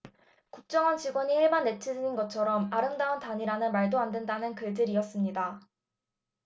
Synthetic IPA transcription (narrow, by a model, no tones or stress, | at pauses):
kuk̚t͡ɕ͈ʌŋʌnt͡ɕiɡwʌɲihiɭmanːe̞t͡ɕʰidɯninɡʌt͡ɕʰʌɾʌmaɾɯmdauntaɲiɾanɯnmaɭdoandwe̞ndanɯnkɯɭdɯɾiʌs͈ɯmɲida